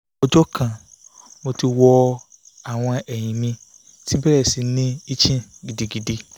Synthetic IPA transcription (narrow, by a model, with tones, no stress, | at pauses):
ɔ˦d͡ʒɔ˦kʰã˨ | mõ˨tʰi˨wɔ˨˦ | a˨w̃ɔ̃˦a˨ʔɛ˨ɲĩ˨mĩ˦ | tʰi˦bɛ˦ɾɛ˨si˨nĩ˦i˦t͡ɕʰĩ˦ɡi˨di˨ɡi˨di˨